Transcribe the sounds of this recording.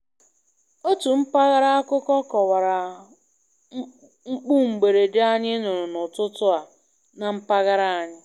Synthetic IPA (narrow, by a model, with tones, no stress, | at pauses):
o˦tu˨m̩˦pa˦ɣa˦ɾa˦a˦kʊ˦kɔ˦kɔ˨wa˨ɾa˨˦ | ŋ͡m̩˦k͡pu˦ŋ͡m̩˨ɡ͡be˨ɾe˨dɪ˦a˦ɲɪ˦nʊ˨ɾʊ˨nʊ˨tʊ˦tʊ˦a˨ | na˨m̩˦pa˦ɣa˦ɾa˦a˨ɲɪ˦